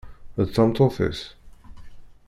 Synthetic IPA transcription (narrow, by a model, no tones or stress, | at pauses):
əsãmtʰɔfɪ̰s